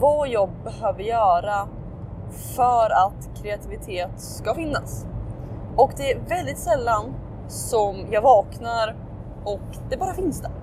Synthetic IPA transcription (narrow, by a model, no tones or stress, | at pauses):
vɑjɑɡ̚bɛhøːvəɾjœːɾa | fœɾat̪kʰɾɛat̪ʰɪvɪt̪ʰeːt̪skafɪnːa̰s | ɔkd̪ɛæɾvɛld̪ɪt̪sɛlːan | sɔmjɑːɡvɑːknaɾ | ɔk | d̪ɛbɑːɾafɪnsd̪ɛɾ